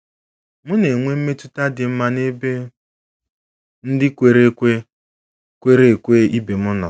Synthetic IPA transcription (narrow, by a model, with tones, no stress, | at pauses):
mʊ˦ne˨ŋʷe˦m̩˦me˦tu˦ta˦dɪ˨m̩˦ma˦ne˦be˦ | n̩˦dɪ˦kʷe˨ɾe˦kʷe˦ | kʷe˦ɾe˦e˨kʷe˦i˦be˨mʊ˦nɔ̰˨